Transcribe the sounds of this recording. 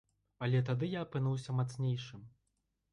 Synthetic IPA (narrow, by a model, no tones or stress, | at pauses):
ɐlʲɛt̪̬ad̪ɨjaːpɨnuwsʲɐmat̪snʲejʂɨm